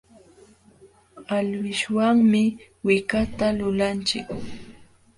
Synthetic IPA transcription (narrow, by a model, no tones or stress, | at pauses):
alwɪʃwaŋmɪwɪkat̪alʊlant͡ʃɪk